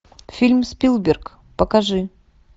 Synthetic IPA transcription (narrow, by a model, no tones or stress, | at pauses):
fʲilʲmspʲilˠbʲɪrk | pəkɐʐɨ